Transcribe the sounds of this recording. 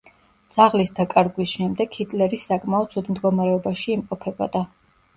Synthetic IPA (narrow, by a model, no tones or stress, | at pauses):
d̪z̥aʁlisd̪akʼaɾɡwisʃɛmd̪ɛɡhit̪ʼlɛɾisːakʼmaɔt̪sʰud̪md̪ɡɔmaɾɛɔbaʃiːmqʼɔpʰɛbɔ̰d̪a